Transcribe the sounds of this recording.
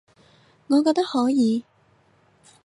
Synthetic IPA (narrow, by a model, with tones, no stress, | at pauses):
ŋɔː˨˧kɔː˧k̚t̪ɐ˥k̚hɔː˨˥jiː˨˧